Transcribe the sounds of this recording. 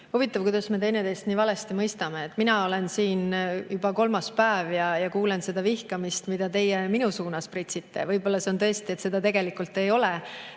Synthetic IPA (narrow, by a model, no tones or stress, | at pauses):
huvit̪ːˑɑvkujd̪ɑsme̞t̪e̞jnet̪e̞st̪niːvɑle̞st̪imɤjst̪ɑme̞ːt̪ːˑminɑo̞lensiːnjub̥ɑko̞lmɑspæːvjɑjɑkuːle̞nse̞d̪̥ɑvihkɑmist̪mid̪̥ɑt̪e̞jeminusuːnɑsprit̪sit̪ːe̞̰vɤjbo̞lːɑseont̪ɤ̞est̪iet̪se̞d̪̥ɑt̪e̞ɡ̥e̞likult̪ːˑe̞jo̞le